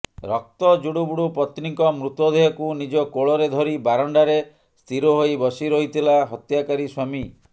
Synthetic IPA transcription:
ɾɔk̚t̪ɔd͡ʒuɽubuɽupɔt̪nikɔmɾut̪ɔd̪ʱejɔkunid͡ʒɔkoɭɔɾed̪ʱɔɾibaɾɔɳɖaɾe | st̪ʰiɾoɦoibɔsiɾoɦit̪ʰilaɦɔt̪jakaɾiswami

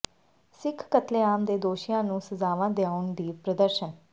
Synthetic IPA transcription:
sɪkʰkət̪leːaːmd̪eːd̪oːʃɪjãːnũːsəzaːʋãːd̪eaːʊnd̪iːpɾəd̪əɾʃən

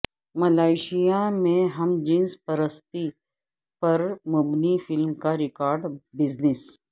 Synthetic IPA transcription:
mɐlaːɪʃijamẽɦɐmd͡ʒĩnspəɾəst̪i | pɐɾmʊbnifɪlmkaɾɪkaːɾɖbɪznɪs

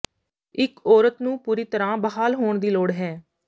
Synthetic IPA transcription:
ɪkɔːɾət̪nũːpuːɾiːt̪əɾãːbəɦaːlɦoːɳd̪iːloːɽɦɛː

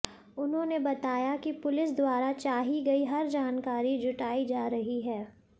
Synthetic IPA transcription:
ʊnɦõnebɐt̪aːjakipʊlɪsd̪waːɾat͡ʃaːɦiɡɐiɦɐɾd͡ʒaːnkaːɾid͡ʒʊʈaːid͡ʒaːɾɐɦiɦɛː

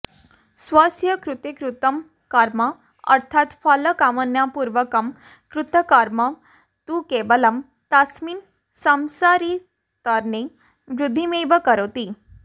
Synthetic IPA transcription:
sʋasʰjəkɾʊt̪ekɾʊt̪əm | kaɾmã | ə̰ɾt̪ʰat̪faləkamənjapuɾʋəkəm | kɾʊt̪əkaɾma | t̪ukebələm | t̪asmin | samsaɾi | t̪əɾne | ʋɾʊd̪ʱːimeʋəkəɾot̪i

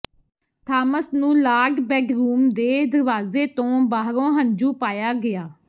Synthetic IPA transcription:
t̪ʰaːməsnũːlaːɖbɛːɖɾuːmd̪eːd̪əɾʋaːzeːt̪õːbaːɦɾõːɦəɲd͡ʒuːpaːjaːɡɪjaː

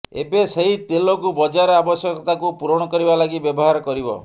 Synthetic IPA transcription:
ḛbeseɦit̪elokubɔd͡ʒaɾɔabɔsjɔkɔt̪akupuɾɔɽ̃ɔkɔɾibalaɡibjɔbɔɦaɾɔkɔɾibɔ̰

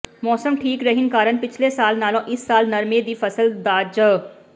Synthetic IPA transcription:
mɔːsəmʈʰiːkɾɐɦɪnkaːɾənpɪt͡ʃʰlesaːlnaːlõʔɪsːaːlnɐɾmeːd̪ifɐsəld̪aːd͡ʒə

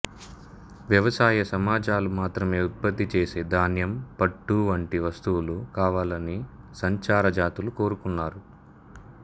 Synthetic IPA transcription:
ʋjɐʋɐsaːjɐsɐmaːd͡ʒaːlumaːt̪ɾɐme̞ːut̪̚pɐt̪ːit͡ʃeːseːd̪aːnjɐmpɐʈːuʋɐɳʈiʋɐst̪uwulukaːʋaːlɐni | sɐɲt͡ʃaːɾɐd͡ʒaːt̪uluko̞ːɾukunːaːɾu

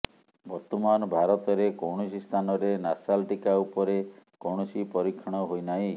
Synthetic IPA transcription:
bɔɾt̪ɔmanɔbʱaɾɔt̪ɔɾekowɽɔsist̪ʰanɔɾenasalʈikaupɔɾekowɽ̃ɔsipɔɾikʰːɔɽ̃ɔɦojnaj

